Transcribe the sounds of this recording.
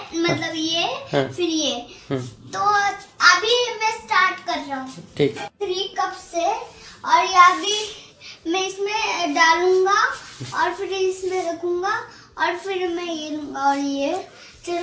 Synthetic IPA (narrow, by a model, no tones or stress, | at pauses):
mɐtt̪ləbjẽfɪɾje | t̪oɐbʱimɛ̃sʈaːɾʈkɐɾːɐɦũːʈʰiːkt̪ʰɾiːkɐpseɔːɾjeɦabʱi | mɛ̃ɪsmẽɖaːlũːŋɡaɔːɾfɪɾɪsmẽɾekʰũːŋɡa | ɔːɾfɪɾmɛ̃jẽɔːɾje | t͡ʃɾ